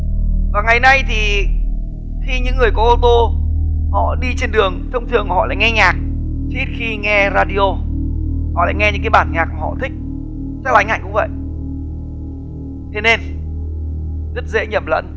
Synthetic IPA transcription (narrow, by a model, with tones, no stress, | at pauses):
vaː˨˩ŋa˨˩jna˧jt̪ʰi˨˩ | xi˧ɲɨ̰˧˥ŋːɨ˨˩əjkɔ˨˦ʔo˧t̪o˧hɔ̰˧˨ɗi˧t͡ɕe˧nɗɨ˨˩əŋt̪ʰə˧wŋ͡mt̪ʰɨ˨˩əŋ˨hɔ̰˧˨la̰ː˧˨jŋɛ˧ɲaː˨˩k̚ | t̪i˦˥t̚xi˧ŋɛ˧zaː˧ɗi˧o˧ | hɔ̰˧˨la̰ː˧˨jŋɛ˧ɲɨ̰˧˥kaː˨˦jɓaː˧˩nɲaː˨˩k̚maː˨˩hɔ̰˧˨t̪ʰï˦˥k̟̚ | sʰa˦˥k̚la˨˦jha̰˧˨ŋ̟kʊ̰˧˦ŋ͡mvə̰˧˨jʔ | t̪ʰe˨˦ne˧n | zə˦˥t̚zḛ˧˥ɲə˨˩p̚lə̰˧˥n